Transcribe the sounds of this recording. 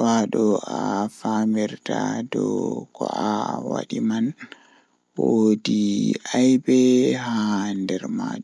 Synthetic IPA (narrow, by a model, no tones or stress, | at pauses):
waɗɔʔafamiɾtadɔkɔʔawaɗiman | wodiʔajbɛɦandɛɾma̰ːd͡ʒ